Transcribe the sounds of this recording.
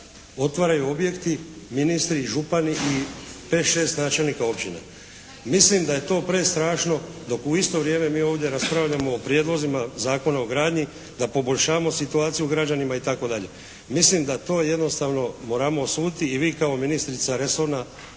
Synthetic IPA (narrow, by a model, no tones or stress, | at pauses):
o̞t̪ʋaɾajuo̞bje̞kt̪i | minist̪ɾiʒupaniʔipe̞ːʃe̞ːst̪naːt͡ʃe̞lnikao̞pt͡ʃina̰ | mislimd̪aje̞t̪o̞ːpɾe̞st̪ɾaːʃno̞d̪o̞kuist̪o̞ʋɾje̞ːme̞miːo̞ːʋd̪ʲje̞ɾaspɾaʋʎamo̞ːpɾje̞d̪lˠo̞zimazaːko̞naoɡɾaːd̪ɲi | d̪apo̞bo̞ʎʲʃaːmo̞sit̪uaːt̪sijuɡɾad͡ʒanimait̪ako̞d̪aʎe | mislimd̪at̪o̞ːje̞d̪no̞st̪aʋno̞mo̞ːɾamo̞suːd̪t̪iːʋiːkao̞minist̪ɾit̪saɾe̞so̞ɾna